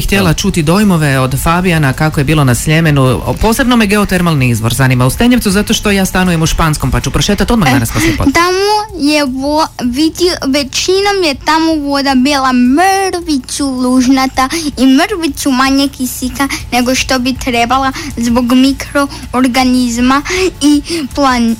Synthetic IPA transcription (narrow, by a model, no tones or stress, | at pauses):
xt̪jelat͡ʃut̪id̪o̞jmo̞ʋe̞o̞d̪fabianakakoje̞biːlˠo̞nasʎe̞me̞nupo̞ːse̞bno̞meɡe̞ot̪eɾmalˠniizʋo̞ɾzanimaust̪e̞ɲe̞ʋt̪uzat̪o̞ʃt̪o̞jaːst̪anujemuʃpansko̞mpat͡ʃupɾoʃe̞ːt̪at̪od̪maɡd̪anasposipt̪amojeʋoʋid̪iʋe̞t͡ʃino̞mjet̪amo̞ʋo̞d̪abiːlˠamɾʋit͡suluʒnat̪aimɾʋit͡sumaɲekisikane̞ɡo̞ʃt̪o̞bit̪ɾe̞balˠazboɡmikɾo̞ːɾɡanizmaiplˠan